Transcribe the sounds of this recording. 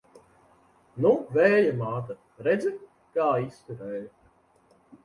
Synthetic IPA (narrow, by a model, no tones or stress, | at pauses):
nuvɛːjamaːt̪ɐ | ɾɛd̪zɨ | kaːist̪uɾɛːj